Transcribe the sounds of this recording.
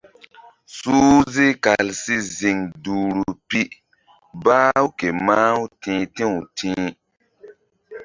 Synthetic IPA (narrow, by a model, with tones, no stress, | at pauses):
suː˦zi˦ka˨lsi˦zi˨ŋduː˨ɾu˨pi˦ | baː˦u˦ke˨maː˦u˦tĩː˨˦tĩ˦u˨tʰĩː˦